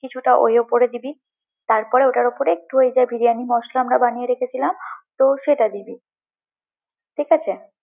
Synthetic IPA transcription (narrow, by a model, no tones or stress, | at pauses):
kit͡ɕʰuʈaʔo̰ɦeopoɾed̪ibi | t̪aɾpɔɾeoʈaɾopoɾek̚ʈuɦoed͡ʑaebʱiɾianimɔʃlaamɾabanieɾekʰet͡ɕʰilamt̪oʃeʈad̪ibi | ʈʰikat͡ɕʰe